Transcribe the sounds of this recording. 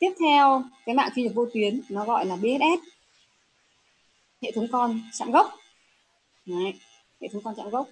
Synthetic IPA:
t̪i˦˥əp̚t̪ʰɛ˧wkaː˨˦jɓa̰ː˧˨ŋki˧ɲə˨˩k̚vo˧t̪wi˨˦ənnɔ˨˦ɣɔ̰˧˨jlaː˨˩ɓi˧˨ht̚ʔɛ˦˥t̚ | hḛ˧˨t̪ʰɨ˨˦ŋ͡mkɔ˧nt͡ɕa̰ː˧˥mɣə˦˥wk͡p̚ | na˨˩j | hḛ˧˨t̪ʰɨ˨˦ŋ͡mkɔ˧nt͡ɕa̰˧˥mɣə˦˥wk͡p̚

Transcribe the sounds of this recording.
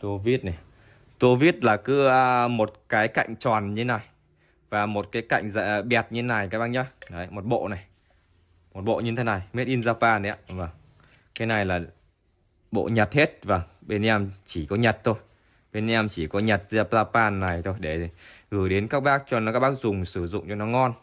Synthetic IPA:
t̪o˧vi˦˥ət̚na˨˩ | t̪o˧vi˦˥ət̚laː˨˩kɨ˨˦ə˧mo˨˩t̚kaː˨˦jka̰˧˨jŋ̟t͡ɕɔː˨˩nɲɨ˧˦na˨˩j | vaː˨˩mo˨˩t̚kaː˨˦jka̰˧˨jŋ̟za̰˧˨ɓɛ˨˩t̚ɲɨ˧˦na˨˩jkaː˨˦jɓaː˧ɲa˧˦nə˨˦jmo˨˩t̚ɓo̰˧˨na˨˩j | mo˨˩t̚ɓo̰˧˨ɲɨ˧t̪ʰe˨˦na˨˩jm˦˥t̚ʔi˧nzaː˧paː˧nə˨˦a̰˧˨vəː˨˩ŋ | kaː˨˦na˨˩jlaː˨˩ | ɓo̰˧˨ɲə˨˩t̚he˦˥t̚vaː˨˩ŋɓe˧n˧ɛ˧mt͡ɕi˧˩kɔ˨˦ɲə˨˩t̚t̪ʰo˧j | ɓe˧ni˧a˧mt͡ɕi˧˩kɔ˨˦ɲə˨˩t̚zaː˧zaː˧paː˧nːa˨˩jt̪ʰo˧jɗe˧˩˨ɣɨ˧˩jɗe˨˦nkaː˦˥k̚ɓaː˦˥k̚t͡ɕɔ˧n˨˦kaː˦˥k̚ɓaː˦˥k̚zʊ˨˩ŋ͡msɨ˧˩zʊ̰˧˨ŋ͡mt͡ɕɔ˧nɔ˨˦ŋɔ˧n

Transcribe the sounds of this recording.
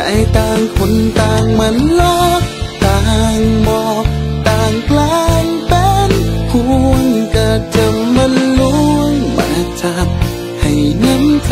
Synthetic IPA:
a̰˧˦jt̪aː˧˩ŋkʰo˧˥nt̪aː˧ŋmɯ˧˥˨nlɔː˧˥t̪aː˧ŋbɔː˧t̪aː˧˩ŋpʰlaː˧˥ŋpɛ˧˥npʰu˧əŋka˧˩t͡ɕɤ˧mma˧˥nlu˧˥˧əŋma̰˧˨˩na˧t͡ɕa˧p̚ | ha˨˩jŋə˧˥˨n

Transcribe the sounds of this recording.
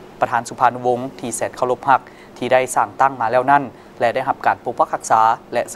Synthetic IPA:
pɾa˧t̪ʰaː˩˦nsu˨˧˦pʰaː˧n˧wo˧ŋt̪ʰiː˧˩sɛː˨˩t̪̚kʰa˧˩wlo˧˥p̚ha˧˩k̚ | t̪ʰiː˧˩daː˥˩jsaː˧˩ŋt̪a˥˩ŋmaː˧lɛː˧˩wna˥˩n | lɛ˧ʔda˥˩jɦa˧p̚kaː˨˩npoː˧˥k̚wa˧˥k̚ʰːa˧˥k̚saː˩˦lɛ˧s

